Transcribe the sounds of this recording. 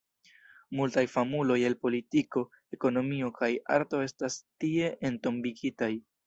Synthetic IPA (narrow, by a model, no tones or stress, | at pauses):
multajfamulo̞je̞lpo̞litiko̞ | e̞ko̞no̞mio̞kaja̰ɾto̞e̞stastie̞ʔento̞mbiɡitaj